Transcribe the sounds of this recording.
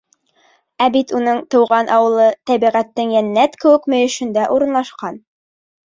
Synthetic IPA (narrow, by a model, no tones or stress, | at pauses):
æbit̪unɤɴt̪ɤ̆wʁɑnʔɑwɤ̆lˠɤt̪æβiʁæt̪ːɘŋjænːæt̪kɘ̆wɘ̆kmɵ̆jɵ̆ʃɵ̆nd̪æʔuɾɤ̆nlˠɑʃqɑn